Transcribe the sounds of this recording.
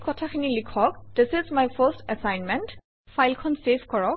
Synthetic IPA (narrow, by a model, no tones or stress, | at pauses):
kɔtʰaxʰinilikʰɔk̚d̥ɪsɪzmajfəstɛsajnmɛ̃nt | fʰajlkʰɔnsefkɔɹɔk̚